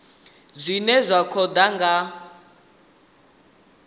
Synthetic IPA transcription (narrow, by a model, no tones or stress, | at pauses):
zʷinɛzʷakʰɔd̪aŋɡa